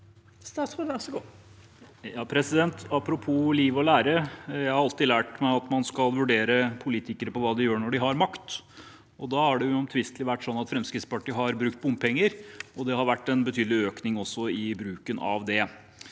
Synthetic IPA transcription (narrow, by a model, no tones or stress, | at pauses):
st̪ɑːsoɔsɔ | jɑːpʰɾɛsɪd̪ɛnt̪ɑpːɾʊpʰuːliːʋɔlæːɾəjæɪhɑɾɑlt̪ɪlæːʈmæɪɑt̪mɑnskɑlʋʉɖeːɾəpʰʊliːt̪ɪkəɾəpɔʋɑːd̪ɪjøːɳɔɖɪɦɑɾmɑkt̪ | ɔd̪ɑːhɑɖɛjʊɔmt̪ʰʋɪst̪lɪʋæʈːsɔnːɑt̪fɾɛmskɾɪt̪spɑʈiːəɦɑɾbɾʉk̚t̪̚bʊmpʰɛŋːəɾɔd̪ɛhɑɾʋæʈːɛnbət̪ʰyːd̪lɪøːknɪŋɔsːɔɪbɾʉːkənɑ̰ʋd̪ɛ